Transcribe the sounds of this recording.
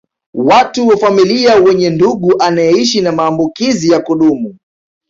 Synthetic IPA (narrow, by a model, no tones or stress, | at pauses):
watuwafamiliawɛɲɛnduɠuʔanajɛiʃinamaːmbukizijakuɗumu